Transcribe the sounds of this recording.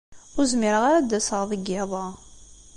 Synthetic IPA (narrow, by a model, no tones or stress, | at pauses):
ʊɾzmiɾəʁaɾad̪æsəʁðˤəɡːeðˤɑ